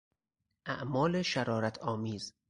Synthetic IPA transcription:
ʔæʔmɒːleʃæɾɒːɾæt̪ʰɒːmiːz

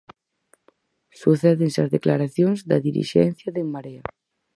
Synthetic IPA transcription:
suθɛðeŋsazðeklaɾaθjoŋzd̪ɐðiɾḭʃɛ̰n̟θjaðeŋmaɾea

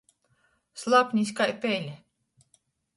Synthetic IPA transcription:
slˠapnʲiskajpɛlʲɛ

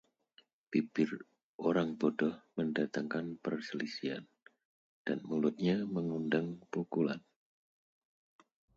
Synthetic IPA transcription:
pipɪr | ʔoɾaŋbɔdɔhməndat̪aŋkanpərsəlisia̰n | d̥anmulʊt̪̚ɲaməŋundaŋpukulan

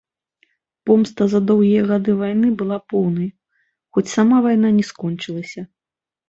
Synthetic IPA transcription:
pɔmst̪ɐzɐd̪ɔwɣʲijɐɣad̪ɨvajnɨbɨlˠapɔwnɐj | xɔt͡sʲsamavajn̪anʲɛskɔnʲt͡ʂɨlˠɐsʲɐ

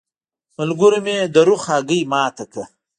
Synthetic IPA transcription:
mɐlɡʊɾimed̪ɐɾuxaːɡəjmaːt̪ɐkɐ

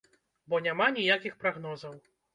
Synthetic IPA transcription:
bɔnʲamanʲijakʲixpɾaɣnɔzɐw

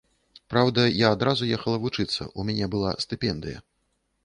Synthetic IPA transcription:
pɾawd̪ɐjaːd̪ɾazujɛxɐlˠɐvut͡ʂɨt̪sːɐ̰ʔumʲanʲɛbɨlˠast̪ɨpʲɛnd̪ɨjɐ̰

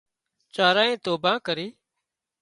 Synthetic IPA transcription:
t͡ʃaːɾaːẽːt̪oːbãːkəɾiː

